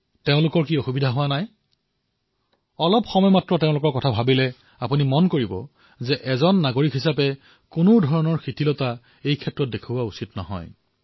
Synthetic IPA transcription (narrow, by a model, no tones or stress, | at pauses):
teʊ̃lʊkɔɹkiɔxubidʱaɦʊwanaj | ɔlɔpxɔmɔjmatɹɔteʊ̃lʊkɔɹkɔtʰabʱabilɛ | apunimɔnkoɹibɔ̰ | zɛʔɛzɔnːaɡoɹikɦisapɛ | kʊnʊdʱɔɹɔnɔɹxʰitilɔta | ejkʰɛtɹɔt̚dekʰubʊausitnɔɦɔ̰j